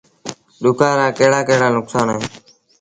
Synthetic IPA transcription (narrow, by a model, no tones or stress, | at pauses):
ɗʊkaːɾaːkəɦɽaːkəɦɽaːnʊksaːneː